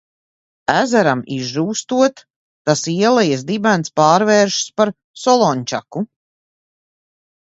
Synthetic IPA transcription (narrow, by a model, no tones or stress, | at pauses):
æzæɾamiʒʒuːst̪uɔt̪ː | asiɛlˠɛjasd̪ibænspaːɾvɛːɾʃspaɾ | sɔlˠɔɲʲt͡ʃa̰ku